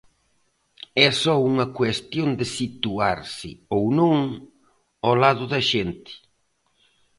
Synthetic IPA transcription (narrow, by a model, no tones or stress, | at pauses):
ɛsɔuŋɐkwest̪jond̪ɪsit̪uaɾsɪ̰ownõŋ | ɔlaðʊðɐʃent̪ɪ̥